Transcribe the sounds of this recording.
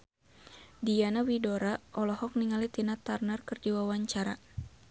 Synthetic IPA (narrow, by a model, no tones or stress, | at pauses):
dijanawidɔɾaʔɔlɔhɔk̚niŋalit̪inat̪arnarkərd͡ʒiwawaɲt͡ʃaɾa̰